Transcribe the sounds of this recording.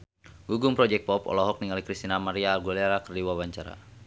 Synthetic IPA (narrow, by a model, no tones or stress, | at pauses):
ɡuɡumpɾɔd͡ʒɛk̚pɔpɔ̰lɔɦɔk̚niŋalikɾist̪inamaɾiaːrɡulɛɾakərdiwawaɲt͡ʃaɾa̰